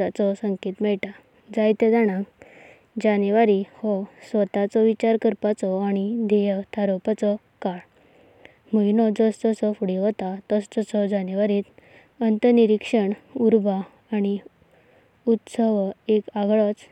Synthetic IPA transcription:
at͡sɔsəŋket̪mɛɭʈa | d͡zajt̪ɛd͡zaɽ̃ãk | d͡ʑaniʋaɾihɔsʋət̪at͡sɔʋit͡ɕaɾkəɾpat͡sɔaɽ̃id̪ʱejət̪ʰaɾopat͡sɔ | kaɭ | məinɔd͡zɔst̪ɔsɔfuɽiɦɔt̪at̪ɔst̪ɔsɔd͡zaniʋaɾiːt̪ | ənt̪əniɾikʂəɳuɾbʱaː | ɽ̃i | ut̪səʋekaɡɭɔt͡s

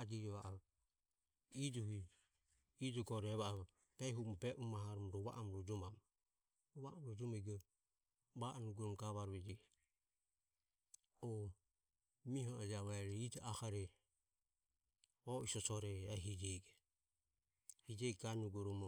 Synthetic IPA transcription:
ad͡ʒiɾɛβaʔa | id͡ʒuhiː | d͡ʒɔɡɔɾɛβa | b̥ɛɦumɔbɛʔumaɦaɾɔmɾɔβa̰ʔamɾɔd͡ʒɔmam | ɾɔβaamɾɔd͡ʒɔmaɡɔ | βaʔanuɡuɾɔmɡaβaɾβɛd͡ʒɛ | ɔ | miɦɔɔd͡ʒaβaɛɾɛid͡ʒakaɾɛ | ɔisɔsɔɾɛɛɦid͡ʒɛɡɛ | hid͡ʒɛɡɡanuɡɔɾɔmɔ

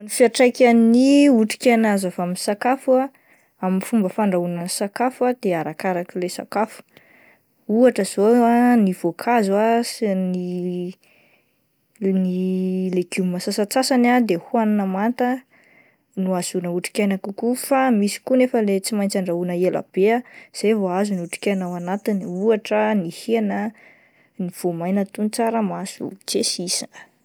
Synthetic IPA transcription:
nifiaʈ͡ʂajkʲaniuʈ͡ʂi̥kʲanazavaminsakafua | aminifumbəfaɳɖ͡ʐaunəsakafad̪̥eaɾakaɾakilesa̰kafu̥ | uaʈ͡ʂəz̥oaniv̥okʰazuasni | nileɡumimasasat͡sasanad̪ehuanunəmant̪ə | nuaz̥unəuʈ͡ʂi̥kʲajnakukufamisi̥kunefəlet͡simajnt͡saɳɖ͡ʐaunəela̰b̥eaz̥ejvoazuniuʈ͡ʂi̥kʲajnawanat̪iniuaʈ͡ʂənihieanə | niv̥omajnət̪unt͡saɾəmasṵt͡sesisa

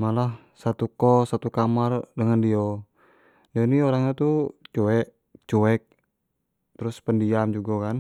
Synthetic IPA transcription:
malah | sat̪ukɔsat̪ukamardəŋandio | donioɾaŋɲat̪ut͡ʃuɛʔ | t͡ʃuɛk̚ | t̪əɾʊspəndiamd͡ʒuɡakan

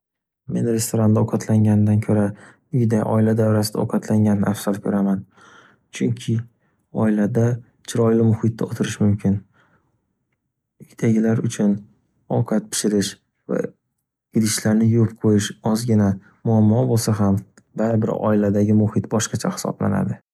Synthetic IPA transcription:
me̞nɾe̞st̪oɾand̪aɒqʰat̪ʰlaŋɡʲanɪd̪ankʲʰɵɾa | ʊjɪd̪ajʔɒ̰ɪlad̪avɾasɪd̪aɒ̰wqʰɑt̪ʰlaŋɡʲanɪnɪafsaɾkʲʰɵɾaman | t͡ʃʰʊŋkʲʰɪ | ɒɪlad̪a | t͡ʃʰɪɾɒjlɪmʊhɪt̪ːɪot̪ʰɪɾɪʃmʊmkʲʰɪn | ʊt̪ʰaɡʲɪlaɾʊt͡ʃʰʊn | ɒwqʰɑt̪̚pʰɪ̥ʃɪɾɪʃ | va̰ | ɪɾɪʃlaɾnɪjʊpqʰojɪʃɒzɡʲɪna | mʊamːɒbolˠsaɦam | baɾɪbɪ̰ɾɒ̰ɪlad̪aɡʲɪmʊhɪt̪bɒʃqɑt͡ʃʰahɪ̥sɒ̰bla̰na̰d̪ɪ

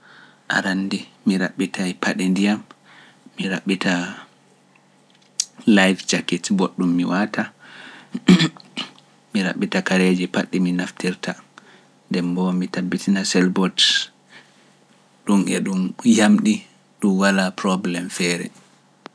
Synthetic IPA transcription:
ʔa̰ɾanːdimiɾaɓːitʰajpaɗindijamː | iɾaɓːitʰa | lajft͡ʃakitboɗːumːḭwatʰa | miɾa̰ɓːitakaɾed͡ʒipaɗːiminaftiɾtʰa | ndɛmbɔmitabːitinasɛlbɔt | ɗumʔɛ̰ɗumjamɗi | ɗumwalapɾɔblɛmfɛːɾɛ̰

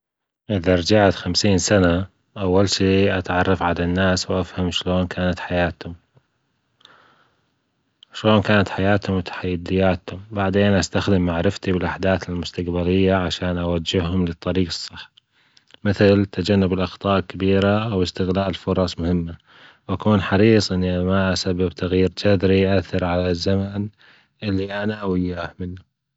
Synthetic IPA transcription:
ʔɪðaɾˤɑd͡ʒaʕt̪xamsiːnsana | ʔawːalʃiːʔat̪ʕɑrˤːɑfʕalanːaːswʔafhamʃloːnkʰaːnat̪ħajaːt̪hʊm | ʃloːnkaːnat̪ħajaːt̪hʊmwɪt̪ʰḁħajːɪd̪ɪjːaːt̪hʊmbaʕd̪eːnʔast̪axd̪ɪmːaʕɾɪft̪ibɪlʔaħd̪aːθɪlmʊst̪aqbaɾɪjːaʕaʃaːnʔawad͡ʒːɪhhʊmlɨt̪ˤːɑɾiːɡɑsˤːɨħː | mɪθlt̪ʰad͡ʒanːɪbɪlʔɑxt̪ˤɑːʔlkabiːɾaʔwɪst̪ɪɣlaːʔɪlfʊɾˤɑsˤmʊhɪmːa | wʔakuːnħɑɾiːsˤʔɪnːimaʔasabːɪbt̪aɣjiːɾd͡ʒad̪ɾiʔaθːɑɾˤʕalazːaman | ʔɪlːiʔanaʔawɪjːahmɪnːa

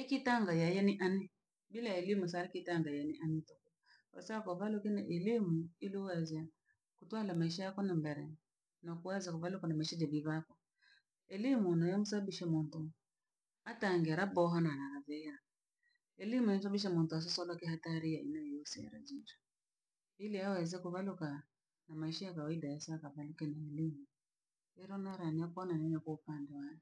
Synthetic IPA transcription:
ikitaŋɡajajɛniʔani | bilaɛlimusaɾikitaŋɡajaniʔanitɔkɔ | ka̰saakɔvalukinɛʔɛlimuiluwɛza | kutwalamaiʃajakɔnambɛɾɛ | nɔkuwazakɔvalukɔnamaʃɛd͡ʒaviβakɔ | ɛlimunɔjamusabbiʃɛmuntu | ataŋɡɛaɾabɔɦɔnanaaðɛja | ɛlimujam̩usaabiʃ̬amuntuas̬ɔsɔlɔkiɦataɾiaḭnajɔusia̰ɾa̰d͡ʒiɾḁ | iliawɛzɛkuβaluka | namaiʃajakawaidajɛsaːkaβalukɛnaɛlimu | ɛɾɔnaɾaniakɔnanɛɲakwaupandɛwajɛ

